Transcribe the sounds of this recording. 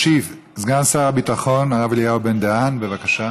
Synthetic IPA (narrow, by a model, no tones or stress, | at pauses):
ʃiv | zɡansaʁabit̪aχo̞naʁavelijaobe̞nd̪eanbevakaʃa